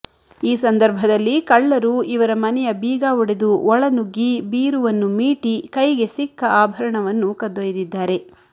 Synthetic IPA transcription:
iːsɐnd̪ɐɾbʱɐd̪ɐlːikɐɭːɐɾuiʋɐɾɐmɐnɛjɐbiːɡaːʋuɽed̪uɔɭɐnuɡːibiːɾuʋɐnːumiːʈikɐjɡe̞sikːɐaːbʱɐɾɐɳɐʋɐnːukɐd̪ʋɐjɐd̪id̪ːaːɾe̞

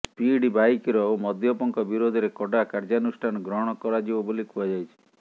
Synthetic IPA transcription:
spiɖibajkiɾɔomɔd̪jɔpɔŋkɔbiɾod̪ʱɔɾekɔɖakaɾd͡ʒanusʈʰanɔɡɾɔɦɔɽ̃ɔkɔɾad͡ʒibɔbolikuad͡ʒajt͡ʃʰi̥

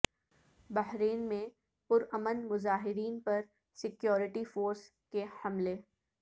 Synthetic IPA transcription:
bɐɦɾeːnmẽ | pʊɾɐmənmʊzaːɦɪɾiːnpɐɾ | sɪkjɔːɾɪʈifoːɾs | kehɐmleː

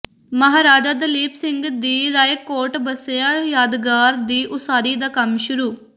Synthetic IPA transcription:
məɦaːɾaːd͡ʒaːd̪əliːpsɪ̃ŋɡd̪iːɾaːjkoːɾʈbəseãːjaːd̪ɡaːɾd̪iːʔʊsaːɾiːd̪aːkəmʃʊɾuː

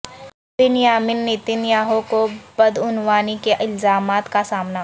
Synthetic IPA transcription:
bɪnjaːmɪnːɪt̪ɪnjaːɦokobɐd̪ʊnwaːnikeʔɪlzaːmaːt̪kasaːmna

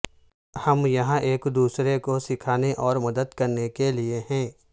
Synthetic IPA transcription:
hɐmjɐɦãʔeːkd̪uːsɾekosɪkʰaːneʔɔːɾmɐd̪əd̪kɐɾnekelieɦɛ̃ː

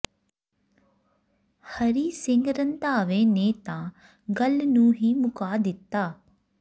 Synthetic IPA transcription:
hɐɾisɪŋɡɾənt̪aːʋeːneːt̪ã | ɡɐlnũːɦimʊkaːd̪ɪt̪ːaː

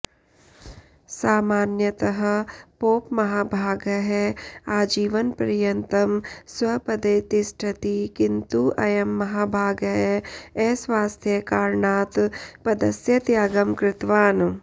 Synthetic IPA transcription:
saːmaːnjɐt̪ɐɦɐ̆poːpmɐɦaːbʱaːɡɐɦɛaːd͡ʒiːʋɐnpɐɾjɐnt̪ɐmswɐpɐd̪eːt̪isʈʰɐt̪ikint̪uʔɐjɐmːɐɦaːbʱaːɡɐɦɛɛːsʋaːst̪ʰjɐkaːɾɳaːt̪pɐd̪ɐsjɐt̪jaːɡɐmkɾɪt̪ʋaːn

